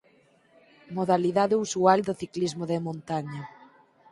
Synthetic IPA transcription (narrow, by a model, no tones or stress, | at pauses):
moðaliðaðeusuald̪oθiklizmoðemõnt̪aɲa